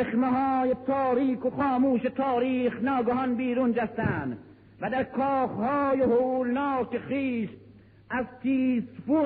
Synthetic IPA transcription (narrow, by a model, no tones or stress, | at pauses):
eχmeɦɒɔːjet̪ʰɒːɾiːkoχɒːmuːʃet̪ʰɒːɾiːxnɒːɡɔɦɔnbiːɾund͡ʒæst̪ænd̪ | væd̪æɾkʰɔːχhɔːjeholnɑːkeχiːʃ | æzt̪ʰiːsfu